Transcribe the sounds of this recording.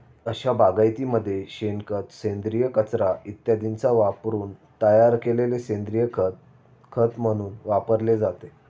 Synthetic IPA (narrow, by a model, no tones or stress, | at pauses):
əɕabaɡajt̪iməd̪ʱːjeɕenkət̪send̪ɾijəkət͡sɾait̪jad̪int͡saʋapɾuːnt̪əjaɾkelelesẽnd̪ɾijə | kʰət̪m̤əɽ̃uːnʋapəɾled͡zat̪e